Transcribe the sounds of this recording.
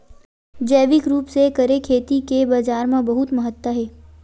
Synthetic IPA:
d͡ʒəːʋɪkɾuːpsekɐɾekʰeːt̪ikebaːd͡ʒaːɾmãbɐɦʊt̪məɦət̪ːəɦɛː

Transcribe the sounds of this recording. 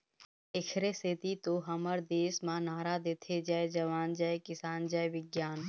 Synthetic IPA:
ɪkʰɾeset̪it̪oɦəməɾd̪eːsmãnaːɾad̪eːt̪ʰed͡ʒaːed͡ʒɐʋaːnd͡ʒaːekɪsaːnd͡ʒaːeʋɪɡjaːn

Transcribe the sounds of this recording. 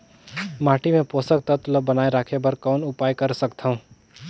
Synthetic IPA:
maːʈimẽpoːsək̚t̪ət̪ləbənaːeɾaːkʰebɐɾkɔːnʊpaːjkɐɾsəkt̪ʰaɦũː

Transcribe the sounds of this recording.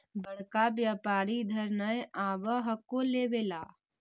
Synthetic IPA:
bəɽ̤kabjaːpaːɾid̪ʱəɾnəjaːʋəɦəkoleːʋeːlaː

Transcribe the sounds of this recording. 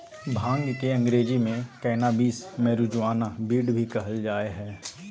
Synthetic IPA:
bʱãːŋɡkeɐ̃ŋɡɾeːd͡ʒimẽkɛːnabiːsmɛːɾud͡ʒʋaːnabiːɖbʱikɐɦəld͡ʒaːeɦɛː

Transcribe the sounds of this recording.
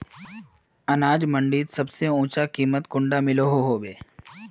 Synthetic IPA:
ɐnaːd͡ʒmə̃ɳɖiːt̪sɐbseũːt͡ʃakiːmət̪kʊ̃ɳɖamɪloɦoɦoːbeː

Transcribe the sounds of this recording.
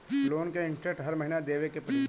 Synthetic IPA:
loːnkeɪ̃ɳʈɾek̚ʈɦɐɾmɐɦinad̪eːʋekepɐɾ

